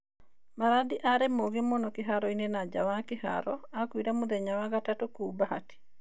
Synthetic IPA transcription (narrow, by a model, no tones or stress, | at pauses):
maɾadiʔaɾemoɣemɔnɔkeɦaɾɔinenad͡ʒawakɪha̰ɾɔakwiɾamuðɛɲawaɣatatokubahati̥